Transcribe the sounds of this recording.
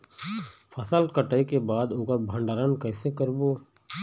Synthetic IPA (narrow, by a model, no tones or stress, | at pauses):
pʰəsəlkəʈəikebaːd̪oːkəɾbʱə̃ɳɖaːɾənkɛːsekəɾboː